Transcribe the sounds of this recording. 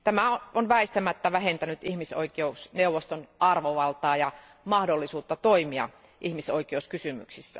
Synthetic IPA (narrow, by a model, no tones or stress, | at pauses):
t̪æmæoonʋæist̪æmæt̪ːæʋæhent̪ænyt̪ihmiso̰ikˑeusneuʋːˑost̪onɑrʋoʋɑlt̪ɑːjɑ | mɑhdolːisuːt̪ːɑt̪oimiɑ̰ | ʔihmisoikeuskysymy̰ksisːæ̰